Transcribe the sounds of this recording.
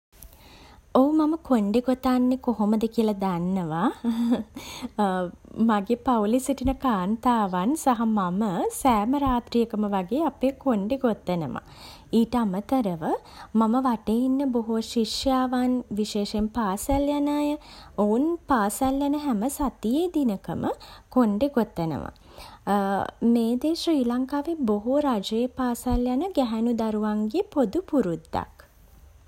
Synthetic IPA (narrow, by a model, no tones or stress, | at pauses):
oumaməkʰoɳɖeɡot̪anːekoɦoməd̪əkiəlɐd̪anːəʋa | maɡepawlisiʈinəkaːnt̪aːʋansaɦamaməsæːməɾaːt̪ɾijəkəməʋaɡeːapeːkoɳɖeɡot̪ːənəma̰ | iːʈəamət̪əɾəʋəmaməʋaʈeinːəboɦuʃiʂjaːʋanʋiʃeːʃempaːsaljanaːjəounpaːsaljanəɦæməsat̪ijeːd̪inəkəmʔə̰koɳɖeɡot̪ːənə̰ʋa̰ | meːd̪eːʃriːlaŋkaːʋeboɦuɾad͡ʒəjepaːsaljanəɡæɦænud̪aɾuʋaŋɡepod̪upuɾud̪ːa̰k